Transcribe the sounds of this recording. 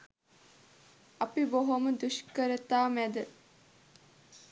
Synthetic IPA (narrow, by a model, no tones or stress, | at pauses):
ɐpiboɦoməd̪uʃkəɾət̪aːmæd̪ə